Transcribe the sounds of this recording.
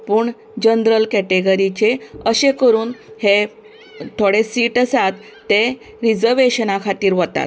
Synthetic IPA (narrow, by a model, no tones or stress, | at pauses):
puːɳ | d͡ʑənd̪ɾəlkɛʈeɡəɾit͡ɕeəɕekəɾuːnhe | t̪ʰoɽesiːʈəsat̪ːe | ɾid͡zəɾʋeɕənakʰat̪iːɾʋət̪a̰t̪